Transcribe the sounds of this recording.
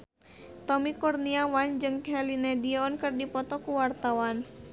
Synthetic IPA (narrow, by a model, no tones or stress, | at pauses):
t̪ɔmikɔrniawand͡ʒɨŋhɛlinɛdiɔnkɨrdipɔt̪ɔkuwart̪awan